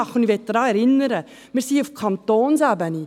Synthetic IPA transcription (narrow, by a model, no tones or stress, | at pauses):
ɑχʊniʋɛt̪̚d̪̥ɾɑːɛɾɪnːəɾə | miːɾsiufkʰɑnt̪oːnsæbəni